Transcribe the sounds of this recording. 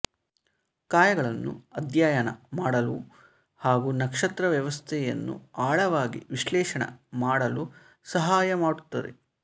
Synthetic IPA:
kaːjɐɡɐɭɐnːṵɐd̪jaːjɐnɐmaːɽɐlu | haːɡunɐkʂɐt̪ɾɐʋjɐʋɐst̪ʰɛjɐ̰nːṵaːɭɐʋaːɡḭʋiʃlɛːʂɐɳɐ̰maːɽɐlu | sɐɦaːjɐmaːɽut̪ːɐd̪e̞̰

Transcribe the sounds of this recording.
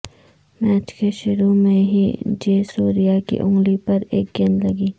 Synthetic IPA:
mɛːt͡ʃkeʃʊɾumẽɦḭd͡ʒeːsuːɾijakḭʔʊ̰̃ŋɡlipɐɾeːk̚ɡẽnlɐɡiː

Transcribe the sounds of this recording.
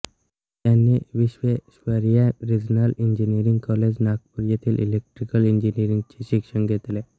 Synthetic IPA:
t̪janːiʋiɕʋeɕʋəɾjaɾid͡ʑnalind͡ʑinijɾiŋɡkɔled͡ʑnak̚puɾjat̪ʰiːlʔḭlek̚ʈɾikəlind͡ʑiniɾiŋɡt͡ɕeɕikʂəŋɡʱet̪le

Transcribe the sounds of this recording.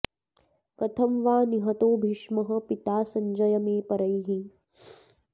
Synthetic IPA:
kɐt̪ʰɐmʋaːniɦɐt̪oːbʱiʃmɐɦɐ̆pit̪aːsɐɲd͡ʒɐjɐmeːpɐɾɐjɦĩ

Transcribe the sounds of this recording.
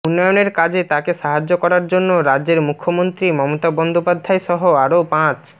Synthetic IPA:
unːɔjoneɾkad͡ʑet̪akeʃaɦad͡ʑːokɔɾaɾd͡ʑonːoɾadeɾmukʰːomont̪ɾimɔmot̪abɔnd̪opad̪ʱːaeʃɔɦoaɾopãt͡ɕ

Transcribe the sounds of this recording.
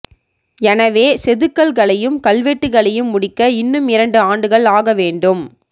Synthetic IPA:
ɛnɐʋeːsɛðɯkːɐɭɣɐɭɐjɯmkɐlʋeːʈːɯɣɐɭɐjɯmːʊɽɪkːɐɪnːɯmɪɾɐɳɖɯaːɳɖɯɣɐɭaːɣɐʋeːɳɖɯm

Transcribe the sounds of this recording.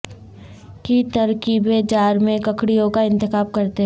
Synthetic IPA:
kit̪ɐɾkiːbed͡ʒaːɾmẽkɐkɽijõkaɪ̃nt̪ɪxaːb̚kɐɾt̪eɦ

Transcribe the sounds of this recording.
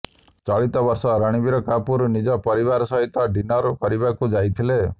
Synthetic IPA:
t͡ʃɔɭit̪ɔbɔɾsɔɾaɽ̃ibiɾɔkapuɾnid͡ʒɔpɔɾiβaɾsɔɦit̪ɔɖinɔɾkɔɾibakud͡ʒajt̪ʰile

